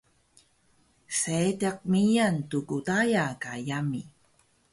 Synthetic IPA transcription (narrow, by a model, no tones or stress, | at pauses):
setak̚mijantukutajakajami